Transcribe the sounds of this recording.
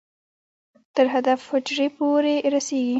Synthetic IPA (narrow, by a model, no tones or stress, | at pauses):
t̪əɾɦad̪afhʊd͡ʒʐepoɾeɾaseɡi